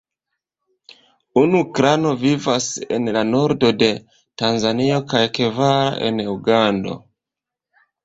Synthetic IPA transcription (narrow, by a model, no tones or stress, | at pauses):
unukɾano̞vivase̞̰nlano̞ɾdo̞de̞ | tanzanio̞kajke̞vaɾa̰ʔe̞̰nuɡando̞̰